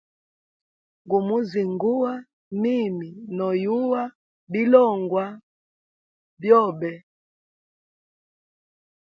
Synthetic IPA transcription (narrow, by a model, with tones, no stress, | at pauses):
ŋɡu˨mu˦zi˨ŋɡu˦a˦ | mi˦˨mi˨nɔ˨ju˦wa˦ | bi˦lɔ˦˨ŋɡwa˦ | bjɔ˦˨bɛ˨